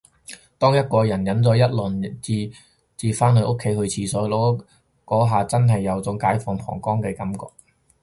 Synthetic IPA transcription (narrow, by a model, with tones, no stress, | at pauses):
t̪ɔː˥ŋjɐ˥t̚kɔː˧jɐ˨˩njɐ˨˥nt͡sɔː˨˥jɐ˥t̚lɵ˨˩nt͡siː˨˧ | t͡siː˨faː˥nhɵ˧ɥʔo˥kʰːe˨˥jhɵ˧ɥt͡sʰiː˧sɔː˨˥lɔː˨˥ | kɔː˨˥ɦaː˨˧t͡sɐ˥nɦɐ˨jːɐ˨˧wt͡sʊ˨˥ŋkaː˨˥jfɔː˧ŋpʰɔ̰ː˨˩ŋkɔː˥ŋkɛː˧kɐ˨˥mkɔ̰ː˧k̚